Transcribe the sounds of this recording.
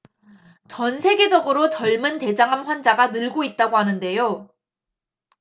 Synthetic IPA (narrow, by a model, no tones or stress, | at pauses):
t͡ɕʌnsʰe̞ɡe̞d͡ʑʌɡɯɾot͡ɕʌɭmɯnte̞d͡ʑaŋɦamɸwand͡ʑaɡanɯɭɡoit̚t͈aɡoɦanɯnde̞jo